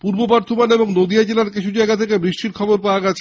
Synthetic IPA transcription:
puɾbobɔɾt̪ʰomaneboŋnod̪iad͡ʑelaɾkit͡ɕʰud͡ʑaeɡat̪ʰekebɾiʃʈiɾkʰɔboɾpaoaɡɛt͡ɕʰe

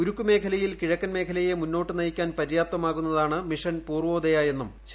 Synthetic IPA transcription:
uɾukːume̞ːkʰɐlɐjilkiɻɐkːɐnme̞ːkʰɐlɐjemunːo̞ːʈːɨnɐjikʲːaːnpɐɾjaːp̚t̪ɐmaːɣun̪ːɐðaːɳɨmiʂɐnpuːrʋo̞ːd̪ɐjaje̞nːumɕ

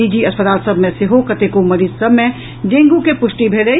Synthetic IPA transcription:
id͡ʒiɐspət̪aːlsəbmẽseɦokət̪ekomɐɾiːd͡ʒsəbʱmẽ | ɖ̪ẽːŋɡũkepʊʃʈibʱeɽə

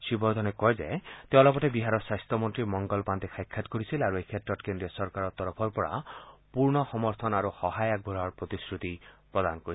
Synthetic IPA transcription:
sibɔɾd̪ʱɔnekɔjzet̪ewlɔpɔtebiɦaɾɔswast̪ɔmɔnt̪ɾimɔŋɡɔlpant̪ekʰajkʰːat̪kɔɾisilaɾuejkʰetɾɔtkend̪ɾiɔsɔɾkaɾɔt̪ɔɾɔpʰɔɾpɔɹa̰puɾnɔxɔmɔɾt̪ʰɔnaɾuxɔɦajaɡ̚bʱuɾaɾpɾɔt̪iskɹut̪ipɾɔd̪anɔkɔɾi

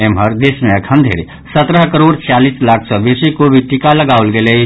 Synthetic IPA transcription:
emɦəɾd̪eːsmẽəkʰə̃nd̪ʱḛɾi | sət̪ɾəɦkəɾoːɽt͡ʃaliːslaːkʰsɔbesikobʱiʈikaləɡaːʊlɡele

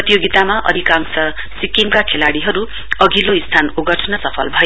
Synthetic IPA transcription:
ʌt̪ijoɡit̪amaʔʌ̰d̪ʱikaŋsʌ | sikimkakʰelaɽiɦʌɾu | ʌɡʱiloist̪ʰanuɡʌʈʰnʌsʌpʰʌlbʱʌjo

